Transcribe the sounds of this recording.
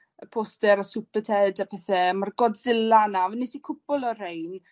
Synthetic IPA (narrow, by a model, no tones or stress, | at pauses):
əpʰoːstɛɾəsʊpətʰɛdapʰɛθɛmarɡɔdzɪlanavənːisikʰʊbɔlˠɔr̥ejn